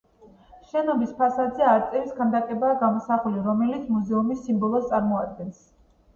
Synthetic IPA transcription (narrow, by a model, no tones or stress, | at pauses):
ʃɛnɔbispʰasad̪zɛaɾt̪sʼɛɾisɡʰand̪akʼɛbaːɡamɔsaχuliɾɔmɛlit̪sʰmuzɛumisimbɔlˠɔst̪sʼaɾmɔad̪̚ɡɛns